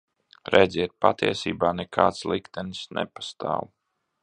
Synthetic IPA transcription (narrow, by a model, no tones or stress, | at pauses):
ɾɛd̪zʲiɛt̪̚pat̪iɛsiːbaːnɛkʰa̰ːt̪slˠikt̪ɛnsnɛ̰pḁst̪a̰ːw